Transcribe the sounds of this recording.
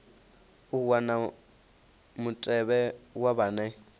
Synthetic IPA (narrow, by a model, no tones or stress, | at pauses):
uwana | mutʼɛβɛwaβanɛ